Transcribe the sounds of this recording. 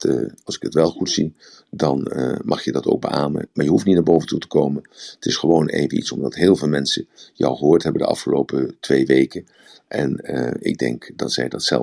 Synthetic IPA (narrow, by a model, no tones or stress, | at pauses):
ɑlˠsɪ̥kətʋɛlˠχutsi | dɑnmʔɑχjədɑto̰wk̚bəʔaːmə̰maːɹjəɦuftnitnaɹbowvəntutə̥kowmənətɪsχəʋownḛjvəḭtsɔmdɑtɦɪːlˠvɪːlˠmɛnsəjɑ̰wχəɦʊːɹtɦɛbəndəʔɑ̰fχəlowpətʋejʋejkən | ʔɛnɪ̰ɡ̚dɛ̰ŋkdɑtsɛjdɑtsɛ̰lˠ